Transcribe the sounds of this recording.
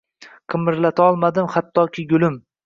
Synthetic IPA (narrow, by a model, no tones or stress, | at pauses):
qʰɨmɪɾlat̪ʰaɒlˠmad̪ɪmhat̪ʰːɒkʲʰɪɡʊlɪm